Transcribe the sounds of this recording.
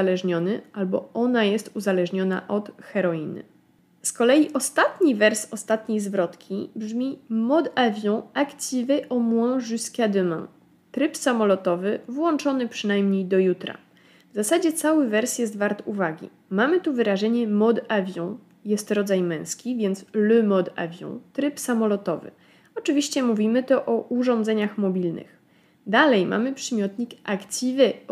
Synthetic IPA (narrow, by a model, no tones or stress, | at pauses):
alɛʐɲɔnɘʔalbɔɔnajɛst̪uzalɛʐɲɔna̰ʔɔt̪xɛɾɔinɘ̰ | skɔlɛjiʔɔst̪at̪ɲivɛɾsɔst̪at̪ɲejzvɾɔt̪kʲibʐmʲimɔd̪avʲjɔ̃akt͡ɕʲivɛʔɔmwɔ̃ʐuskʲad̪ɘmã | t̪ɾɘpsamɔlɔt̪ɔvɘvwɔnt͡ʂɔnɘpʂɘnajmɲejd̪ɔjut̪ɾa̰ | vzasad͡ʑɛt̪sawɘvɛɾsʲjɛst̪vaɾt̪uvaɡʲḭ | mamɘt̪uvɘɾaʐɛɲɛmɔd̪avʲjɔ̃ | jɛst̪ɾɔd̪zajmɛ̃w̃skʲivʲjɛnt̪slɵmɔd̪a̰vʲjɔ̰̃w̃t̪ɾɘpsamɔlɔt̪ɔvɘ̰ | ɔt͡ʂɘvʲiɕt͡ɕɛmuvʲimɘt̪ɔʔɔuʐɔ̃nd̪zɛɲaxmɔbʲilnɘ̰x | d̪alɛjmʔa̰mɘpʂɛmʲjɔt̪ɲikakt͡ɕʲivɛ